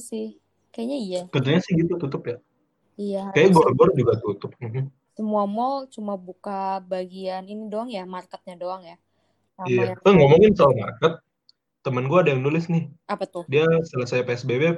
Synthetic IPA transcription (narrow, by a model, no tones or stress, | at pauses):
sɪh | kajaɲaijabənt̪uɲasɪhɡit̪ut̪ut̪ʊpja | ijakajaɡɔrɡɔrd͡ʒuɡat̪ut̪ʊp̚m̩ɦm̩ | səmuamɔt͡ʃumabukabaɡianinidoaŋjamarkət̪̚ɲadoaŋja | aiat̪aŋɔmɔŋɪnsaalmarkət̪̚ː | əmənɡuaːdajaŋnulɪsnɪhʔapat̪ʊdiasələsajpeɛsbebe